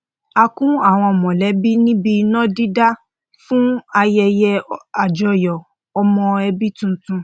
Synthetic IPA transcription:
a˧kũ˦a˦˨w̃ɔ̃˧ɔ˨mɔ̃˨lɛ˨˦bi˦nĩ˦bi˧nɔ̃˦di˦da˦ | fũ˦a˧jɛ˧jɛ˧a˨d͡ʒɔ˨jɔ˨ | ɔ˧mɔ̃˧ɛ˧bi˦tũ˦tũ˧

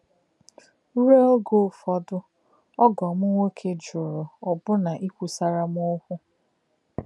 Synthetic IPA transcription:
ɾe˦ɡo˦˨fɔ˦dʊ˦ | ɔ˦ɡɔ˨mʊ˦ŋʷe˦kʰe˦d͡ʒʊ˨ɾʊ˨ɔ˨bʊ˦na˨ʔi˦kʷu˨sa˦ɾa˦m˦ʊ˦kʷʊ˦

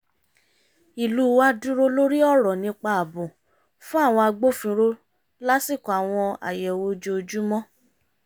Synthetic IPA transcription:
i˨luː˨˦wa˦dũ˦ɾo˦lo˦ɾi˦ɔ˦˨ɾɔ˨nĩ˧k͡pa˧a˨bũ˨ | fũ˦a˦˨w̃ɔ̃˧a˧ɡ͡bo˦fĩ˧ɾo˦ | la˦si˦˨kɔ̃˨a˨w̃ɔ̃˧a̰˨jɛ˨wo˧d͡ʒo˧d͡ʒu˦mɔ̃˦

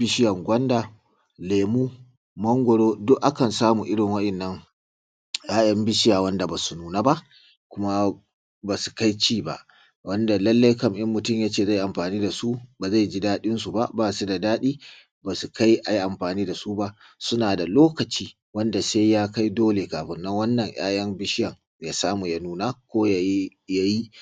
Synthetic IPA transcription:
bɪ˦ʃɪ˦jɐ˨ŋɡʷɐ˦ndaː˨ | leː˨muː˦ | mɐ˦ŋɡʷɔ˨ɽoː˦dʊ˦ʔʔa˦kɐ˨nsaː˦muː˨ʔɪ˦ɽɪ˨ŋwɐ˦ɗɐ˨nːɐ˦ŋ | jaː˦jɐ˦mbɪ˦ʃɪ˦jaː˨wɐ˦nda˨ba˨su˨nuː˦naː˦ba˦ʔ | kʷʊ˦ma˦ | baː˨su̥˨ka˦jt͡ʃiː˦ba̰˨ʔ | wɐ˦nda˨lɐ˦lːa˦jkɐ˨mʔɪ˦mːʊ˨tʊ˦˨mjaː˦t͡ʃeː˦˨za˦˨jʔa˨mɸaː˨niː˦da˨su˦baː˨za˦˨jd͡ʒi˦daː˦ɗɪ˦nsu˨ba˦ʔbaː˦˨su˦da˨daː˦ɗiː˦ | baː˨su˨ka˦jʔa˨ji˦ʔa˨mɸaː˨niː˦da˨su˦ba˦ʔ | sʊ˦naː˨da˨loː˦kɐ˨t͡ʃiː˦ | wɐ˦nda˨se˦jjaː˦ka˦jdoː˦le˨kaː˨ɸɪ˨nːɐ˦ŋwɐ˦nːɐ˨ŋj̰ʔa̰ː˦j̰ɐ˦mbɪ˦ʃɪ˦jɐ˨ŋ | jaː˦saː˦mu˨ja˦nuː˦naː˦kʷoː˦ja˨ji˦ | ja˦ji˦

